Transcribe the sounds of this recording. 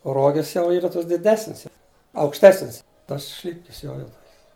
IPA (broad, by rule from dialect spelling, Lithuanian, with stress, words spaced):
oː ˈroːɡʲɪs jɛʊ ˈiːrɐ ˈtoːs dʲɪˈdʲæːsʲnʲɪs jɛʊ ɐʊkʃʲˈtʲæːsʲnʲɪs tɐs ˈʃʲlʲɪpʲkʲɪs ˈjoː jɛʊ ˈtoːkʲɪs